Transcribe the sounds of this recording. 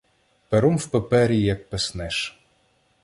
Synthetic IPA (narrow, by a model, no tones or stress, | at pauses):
peɾɔmwpepɛɾʲijɐk̚pesnɛʃ